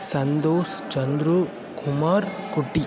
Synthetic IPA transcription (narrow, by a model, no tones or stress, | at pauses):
sɐnd̪oːst͡ʃɐnd̪ɾu | kʰumaːɾkuʈːi